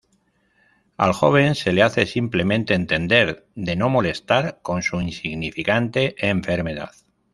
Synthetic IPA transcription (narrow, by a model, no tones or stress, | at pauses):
a̰lxo̞β̞e̞nse̞leaθe̞simple̞mẽ̞nt̪e̞ːnt̪e̞nd̪e̞ɾ | ðe̞no̞mo̞le̞st̪aɾko̞nsuinsiɣnifikant̪e̞ʔeɱfe̞ɾme̞ða̰ð